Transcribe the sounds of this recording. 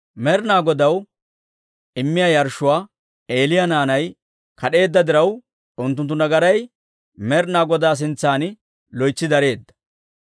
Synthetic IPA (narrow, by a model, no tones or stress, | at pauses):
mɛɾnaːɡɔd̪ɐw | ɪmːɪjajɐɾʃːʊwaː | e̞ːlɪjanaːnɐj | kɐɗe̞ːd̪ːɐd̪ɪɾɐw | ʊnt̪̬ːʊnt̪̬ːʊnɐɡɐɾɐj | mɛɾnaːɡɔd̪aːs̬ɪnt͡sːaːnɪ | lɔjt͡ʃːɪd̪ɐɾe̞ːd̪ːɐ̥